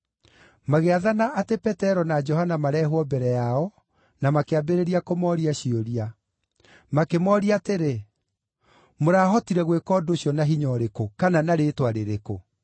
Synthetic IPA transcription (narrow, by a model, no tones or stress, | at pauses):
maɣeaðanaʔːtepɛtɛɾɔnad͡ʒɔhanamaɾɛɦwɔbɛɾɛjaɔ | namakeabeɾeɾiakomɔːɾiaɕioɾia | makemɔːɾiateɾe | moɾaːɦɔtiɾɛɣwekɔːdoɕjɔnaɦiɲɔɾekokananaɾetwaɾeɾeko